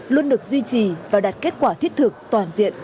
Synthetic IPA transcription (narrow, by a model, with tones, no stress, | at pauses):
lu˧ənɗɨ˨˩ək̚zwi˧t͡ɕi˨˩vaː˨˩ɗa˨˩t̚ke˦˥t̚kwaː˧˩t̪ʰi˦˥ət̚t̪ʰɨ˨˩k̚t̪waː˨˩nzḭ˧˨ən